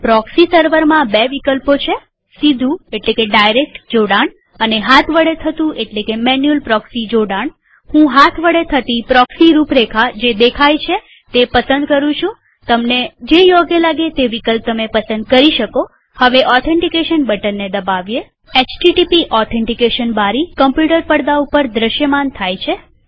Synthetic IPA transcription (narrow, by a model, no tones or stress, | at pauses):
pɾɔksisəɾʋəɾmãbeʋikəlpot͡ʃʰe | sid̪ʱũeʈlekeɖajɾek̚ʈd͡ʒoɽaɳ | əneɦat̪ʰʋəɽet̪ʰət̪ũʔeʈlekemɛnjulpɾɔksid͡ʒoɽaɳ | hũɦat̪ʰʋəɽet̪ʰət̪ipɾɔksiɾupɾekʰad͡ʒed̪ekʰajt͡ʃʰe | t̪epəsə̃nd̪kəɾũt͡ʃʰũ | t̪əmned͡ʒejoɡelaɡet̪eʋikəlp̚t̪əmepəsə̃nd̪̚kəɾiʃəko | həʋeʔɔt̪ʰẽɳʈikeʃənbəʈənːed̪əbaʋje | et͡ʃʈiʈipiʔɔt̪ʰẽɳʈikeʃənbaɾikəmpjuʈəɾpəɽd̪aupəɾd̪ɾəʃjəmant̪ʰajt͡ʃʰe